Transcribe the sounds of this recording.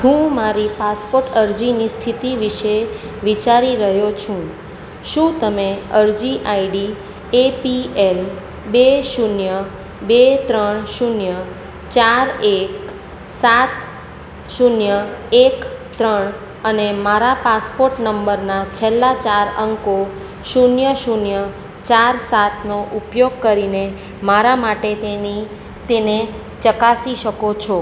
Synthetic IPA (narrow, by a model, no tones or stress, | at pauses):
ɦũmaɾipaspoɾʈəɾd͡ʒinist̪ʰit̪iʋiʃe | ʋit͡ʃaɾiɾəɦjot͡ʃʰũ | ʃũt̪əmeəɾd͡ʒiʔaiɖi | epiel | beʃunjə | bet̪ɾəɳʃunjə | t͡ʃaɾek | sat̪ | ʃunjəekt̪ɾəɳ̃ | ənemaɾapaspoɾʈnəmbəɾnat͡ʃʰelːat͡ʃaɾəŋko | ʃunjəʃunjə | t͡ʃaɾsat̪ʰnoʔupjoɡ̚kəɾine | maɾamaʈet̪eni | t̪ene | t͡ʃəkasiʃəkot͡ʃʰɔ